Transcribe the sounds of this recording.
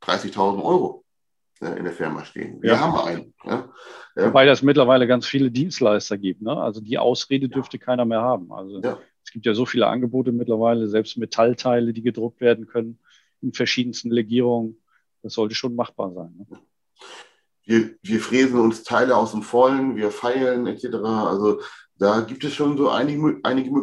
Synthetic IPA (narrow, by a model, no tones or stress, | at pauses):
d̥ʁa̰ɪsɪçtʰaʊzn̩tʔɔʏʁo | ʔɛ̰ʔɪ̰ndeːɐfɪɐma̰ʃtḛːənvijːaːɐɦaːbm̩ʔa̰ɪnə | ja̰obaɪdasmɪtlɐvaɪləɡant͡sfiːlədiːnstlaɪstɐɡiːp̚tnəʔa̰lzodiːʔa̰ʊsʁeːdədʏɐftəkʰaɪnɐmeːɐhaːbm̩ʔa̰lzojʔɛsɡ̥iːptjaːzoːfiːlə̰ʔa̰nɡəboːtəmɪtlɐvaɪləzɛlpst̚metʰaltʰaɪlədiːɡədʁʊk̚tv̥eːɐdn̩kʰœnən | ʔɪnfɛɐʃiːdn̩stn̩ʁeɡiːʁ̞ʊŋən | d̥asz̥ɔltəʃoːnmaχb̥a̰ːɐza̰ɪnːə | viːɐviːɐfʁ̥eːzn̩ʊnstʰaɪləaʊsd̥emfɔlənviːɐfaɪlnɛt͡sɛtəʁaʔa̰lzod̥aːɡiːp̚tɛsʃoːnzoːʔa̰ɪnɪəʔaɪnɪɡəm